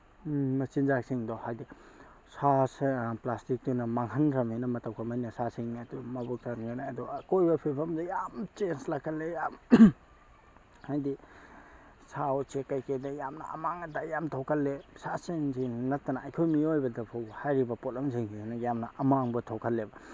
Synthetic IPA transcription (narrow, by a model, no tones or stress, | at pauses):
mɐsinzaksiŋdɔhajdi | saseplastik̚tunɐmaŋɦɐnɾɐminɐmɐtɐwkʰɐmajnɐsasiŋdumɐbuk̚taɾŋinaɐdɔkojbɐpʰipʰɐmdɐjamt͡ʃenslakʰɐlːejam | hajdi | sawt͡ʃekajkedɐjamnɐ̰ʔɐ̰maŋɐdajamtʰɔwkʰɐlːesasiŋzinɐtːɐnaːjkʰojmiojbɐdɐpʰowbhajɾibɐpolɐmsiŋiinɐjamnɐʔɐmaŋbɐtʰowkʰɐlːebɐ